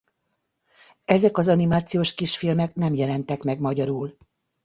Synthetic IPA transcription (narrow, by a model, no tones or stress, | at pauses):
ɛzɛkɒzɒnimaːt̪sijoːʃkiʃfilmɛknɛmjɛlɛnt̪ɛkmɛɡmɒɟɒɾuːl